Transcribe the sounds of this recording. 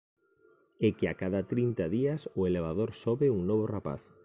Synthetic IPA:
ɛkɪakaðat̪ɾint̪aðiɐsʊeleβaðoɾsoβɪuŋnoβʊrapa̰θ

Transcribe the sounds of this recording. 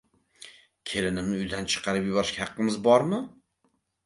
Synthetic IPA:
kʲʰe̞lɪnɪmnɪʊjd̪ant͡ʃʰɨ̥qʰɑɾɪpjʊbɒɾɪʃkʲahɑqːɨmɪzbɒɾmɪ

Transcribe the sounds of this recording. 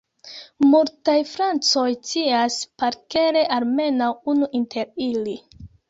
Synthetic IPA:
multajfɾant͡so̞jt͡siaspaɾke̞ɾeʔalme̞nawunuʔintʰe̞ɾili

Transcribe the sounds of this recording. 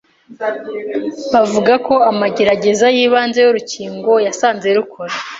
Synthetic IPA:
βavuɡako̞amaɟe̞ɾaɟe̞zajiːβaːnzejoɾuciːŋɡo̞jasaːnze̞ɾukʰoɾa

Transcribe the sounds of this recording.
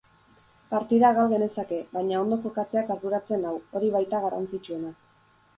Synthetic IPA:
paɾt̪iðaɣalɣe̞ne̞sake̞βajɲao̞nd̪o̞ko̞kat͡se̞akaɾðuɾat͡se̞nawo̞ɾiβajt̪aɣaɾa̰nt͡sit͡ʃue̞na

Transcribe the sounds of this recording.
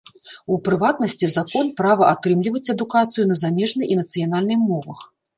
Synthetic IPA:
upɾɨvat̪nɐsʲt͡sʲizakɔnpɾavɐʔat̪ɾɨmlʲivɐt͡sʲɐd̪ukat̪sɨjunɐzamʲɛʐnɨinɐt̪sɨjan̪alʲnɨmɔvɐx

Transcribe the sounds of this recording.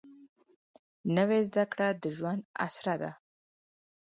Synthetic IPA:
nəwezd̪akɽad̪əʒwand̪a̰sɾad̪a̰

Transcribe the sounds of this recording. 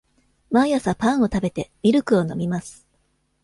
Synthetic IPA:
mãjasapãɰ̃o̞t̪abe̞t̪e̞mʲiɾɯ̟kɯ̟o̞no̞̰mʲimasɨ̥

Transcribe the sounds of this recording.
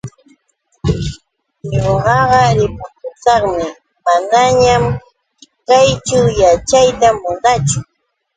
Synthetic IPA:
ɲoɢɑɢɑɾɪpʊkʊt͡sɑχmɪ | manaɲam | kajt͡ʃawjat͡ʃajt̪amʊnat͡ʃʊ

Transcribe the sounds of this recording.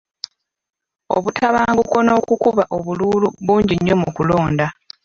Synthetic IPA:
o̰βutʰaβaːŋɡuko̞no̞ːkukuβaʔo̞βuluːluβuːɲɟiɲːo̞mukulo̞ːnda

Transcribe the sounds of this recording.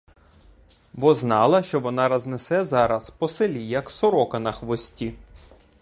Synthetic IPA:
bɔznɑlˠɐʃt͡ʃɔʋɔnɑɾɐznesɛzɑɾɐspɔselʲijɐksɔɾɔkɐnɐxʋɔsʲtʲi

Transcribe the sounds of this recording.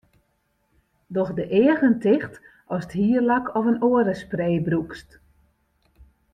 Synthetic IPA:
dɔxdəʔɪəɣəntɪxt | ɔsəthiːərlakʰɔfənoəɾəspreːbrukst

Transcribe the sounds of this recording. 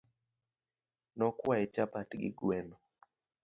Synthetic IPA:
nɔkwaɛt͡ʃapatɡɪ̰ɡwɛnɔ

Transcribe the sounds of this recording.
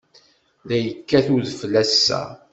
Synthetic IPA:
ðæjəkːæθuðflːæsːæ̰

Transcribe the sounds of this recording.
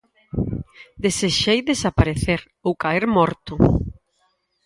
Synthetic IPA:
d̪eseʃejðesapaɾeθeɾ | owkaeɾmɔɾt̪ʊ

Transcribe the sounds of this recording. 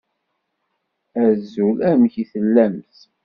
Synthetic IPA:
æzulæmçiθəlːæmθ

